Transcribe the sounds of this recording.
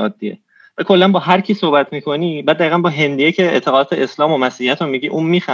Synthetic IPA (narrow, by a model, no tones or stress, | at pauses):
ɒːd̪ːiḛ | vækʰo̞lːænbɒːɦæɾcʰiːso̞hbæt̪ʰmiːkʰo̞niːbæːd̪ːæɾiːɣænbɒːɦe̞nd̪ijecʰe̞ḛt̪ʰe̞ɣɒd̪ɒːt̪ʰeeslɒːmomæsihijæt̪ɾomiɟiːʔuːmmiːxæ